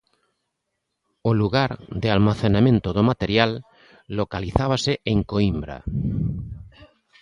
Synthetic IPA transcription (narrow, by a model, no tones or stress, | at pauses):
oluɣaɾd̪ealmaθenamẽnt̪oðomat̪eɾjalː | okaliθaβ̞aseʔeŋkoimbɾa̰